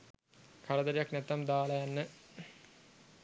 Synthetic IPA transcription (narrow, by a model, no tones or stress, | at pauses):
kʰaɾəd̪əɾijaknɛt̪ːamd̪aːlajanːə